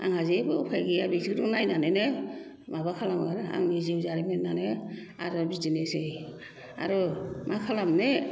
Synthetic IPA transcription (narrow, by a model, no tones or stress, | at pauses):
a̰ŋhazibɯukʰajɡijabiziɾunajnanene | maβakʰalamaɡaɾɯa̰ŋniziwzaɾimetnane | a̰ɾɔbizinesej | a̰ɾɔmakʰalamne